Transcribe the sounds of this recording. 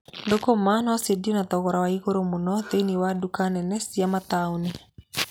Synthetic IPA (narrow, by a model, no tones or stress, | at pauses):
ndokomanɔsedionat̪ɔɣɔɾawaiɣoɾomonɔteniwadukanɛnɛsiamat̪aone